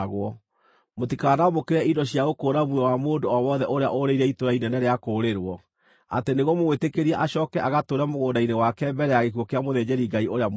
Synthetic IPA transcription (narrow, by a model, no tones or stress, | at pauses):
ɣɔ | motikanaɔmokeɾɛidɔɕjaɣokoːɾamwɛwamoːndoɔwɔðɛʔoɾea̰ʔoɾeiɾɛitoɾainɛnɛɾeakoːɾeɾwɔ | a̰teneɣwɔmowetekeɾiɛʔaɕɔkɛʔaɣatoɾamoɣodainewakɛmbɛɾɛjaɣekwɔkeamoðed͡ʑeɾiɡaiʔoɾea